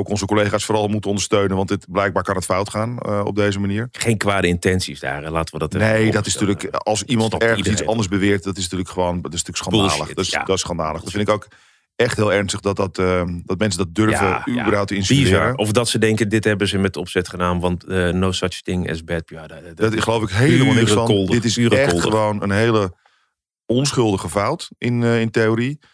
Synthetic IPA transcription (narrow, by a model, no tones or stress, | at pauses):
owkɔnzəkolejχaːsfoːɾɑlˠmutənɔ̃ndəɹstøɥnənʋɑntɪtblɛjɡ̚baːɹkɑnɦətfawtχaːnɔ̰b̚dejzəmaniːɹχejnkʋaːdəɪntɛnsisda̰ːrlaːtəʋədɔtɛnejdɔtɪsntyːləkɑlˠsimɑntɛɹiədisɑndəɹzbəʋɪːɹtdɔtɪsntyːləkχəʋontɪsntyːəksχɑnˠːləa̰dɔtɪsχɑnda̰ːləχdɔtfɪnɪkowk | ɛχtɦɪːlˠɛɹnstəχdɑtɑtdɔtmɛnsəndɔt̚døɹvəybərɦawp̚təɪnszɪːɾəɔfdɔtsədɛŋkədɪtɦɛbəzəmɛtɔpsɛtχənaːnʋɑntənosat͡ʃtɪŋɛ̰sbɛt̚pdtχəlowfɪkɦeəslˠddɪtɪsɛtlˠχəʋownə̰nɦejlə | ɔnsχʏlˠdəχəfawtʔɪnɪnteoːɾi